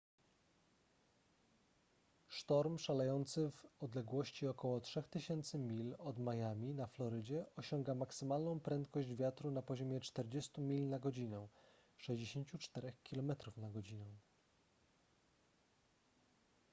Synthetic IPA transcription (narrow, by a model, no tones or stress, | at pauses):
ʂt̪ɔɾmʂalɛjɔnt̪sɘvɔd̪lɛɡwɔɕt͡ɕiɔkɔwɔtʂɛxt̪ɘɕɛnt̪sɘmʲilɔd̪majamʲinaflɔɾɘd͡ʑɛʔɔɕɔŋɡamaksɘmalnɔ̃w̃pɾɛnt̪̚kɔʑd͡ʑvʲjat̪ɾunapɔʑɔmʲjɛt͡ʂt̪ɛɾd͡ʑɛst̪umʲilnaɡɔd͡ʑinɛ̃ | ʂɛʑd͡ʑeɕeɲt͡ɕut͡ʂt̪ɛɾɛxkʲilɔmɛt̪ɾufnaɡɔd͡ʑinɛw̃